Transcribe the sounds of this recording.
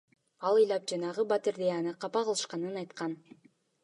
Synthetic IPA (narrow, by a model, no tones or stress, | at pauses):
ɑlˠɯjlˠɑp̚d͡ʒɑnɑʁɯbɑt̪iɾd̪ejanɯqʰɑpɑqɯlˠɯʃqɑnɯnɑjt̪qɑn